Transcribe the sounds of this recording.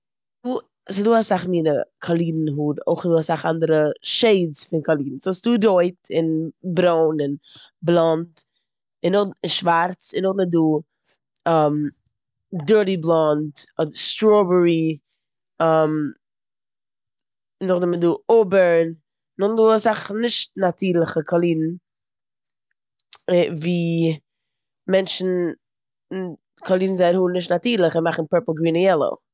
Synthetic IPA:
duː | sɪduːasaχmiːnəkʰalˠiːdn̩ɦudo̰ɪχduːasaχandəɾəʃeɪsfɪnkalˠiːdn̩sʊsduːɾoɪtɪnbɾoʊnɪnblˠɔnt | ɪnːʊχɪnʃvaɾt͡sɪnʊχnɪduː | am | dɜɾdiblˠɔntstɾɔbəɹi | am | nʊχnɪtmɪtduːʊbəɾn | nʊχduːasaχnɪʃt̚natʰiːɾlˠəχəkʰalˠiːdn̩ | viː | mɛnʃn̩ | kʰalˠiːdn̩zaɪɾhuːnɪʃtnatiːɾlˠəχɪnmaχn̩pɛɹpl̩ˠɡɾiːnɪjɛlˠə̰

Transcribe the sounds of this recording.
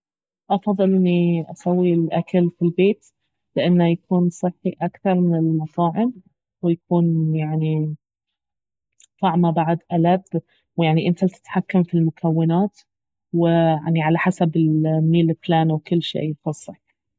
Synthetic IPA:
ʔɑfɑðˤːɨlʔɪnːiʔasawːilʔakalfilbeːt̪ | lɪʔanːajakuːnsˤɨħːiʔakθɑɾˤmɪnɪlmɑtˤɑːʕɪm | wɪjakuːnjaʕni | t̪ˤɑʕmabaʕd̪ʔalab | wjaʕniʔɪnt̪alt̪ɪ̥t̪ħakːamfilmʊkʰawːanaːt̪ | wɪa̰ʕniʕalaħasabɪlmiːlɪflaːnwkɪlːʃḛːfɑsˤːɨħ

